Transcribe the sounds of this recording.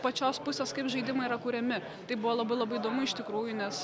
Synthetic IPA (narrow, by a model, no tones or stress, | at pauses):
pɐt͡ʃʲoːspʊsʲeːskɐɪpʒɐɪd̪ʲɪmɐɪiːɾɐkuːɾʲɛmʲɪ | t̪ɐɪbʊʋoːlˠɐbɐɪlˠɐbɐɪid̪oːmʊɪʃt̪ʲɪkɾuːjʊnʲɛs